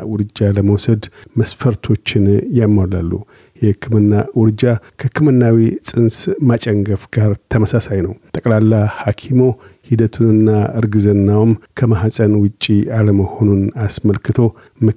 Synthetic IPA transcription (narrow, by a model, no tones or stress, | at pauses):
wʊɾɨd͡ʒaləməwsəd̪məsfəɾt̪ʰo̞t͡ʃːɪnjamːala̰lːu | jɛhɨkʰːɨmɨnːawʊɾɨd͡ʒakʰəkːɨmɨnːawisʼɨnsmat͡ʃʼəŋɡəfɡ̥aɾt̪ʰəməsasajnəwt̪ʼəkʼlalːahakʰimo̞hid̪ət̪ʰunɨnːaɨɾɡɨzənːawmkʰəmaɦasʼənwʊt͡ʃʼːialəməho̞nunasməlkɨt̪ʰo̞ | mɨ